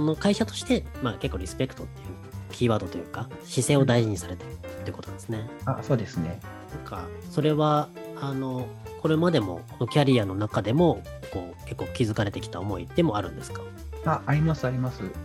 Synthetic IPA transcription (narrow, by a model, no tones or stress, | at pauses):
no̞kaiɕat̪o̞ɕi̥t̪e̞make̞kːo̞ːɾʲisɨ̥pe̞kɯ̥t̪o̞t̪ːejɯ̟ | kʲʰiːβaːd̪o̞t̪o̞jɯ̟ːka | ɕise̞ːo̞d̪aiʑiɲ̟isaɾe̞t̪ḁɯtt̪ːo̞jɯ̟koonad̪esɨne̞aso̞ːd̪e̞sɨne | nãka̰so̞ɾe̞βa | ano̞ko̞ɾe̞mad̪e̞mo̞̰konokʲaɾʲiano̞nakad̪e̞mo̞ | ko̞ːke̞kːo̞ːkʲizɨkaɾe̞t̪ekʲi̥t̪a̰omo̞ḭd̪e̞mo̞aɾɯ̟̃nd̪e̞sɨ̥kḁ | aʔaɾʲimasɨaɾʲimasɨ